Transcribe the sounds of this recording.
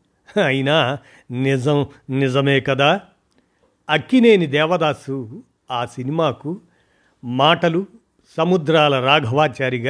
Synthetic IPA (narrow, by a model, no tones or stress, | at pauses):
ɐjinaː | nizɐmnizɐmeːkɐd̪aː | ɐkːineːnid̪ɛːʋɐd̪aːsu | aːsinimaːku | maːʈɐlu | sɐmud̪ɾaːlɐɾaːɡʱɐʋaːt͡ʃaːɾiɡa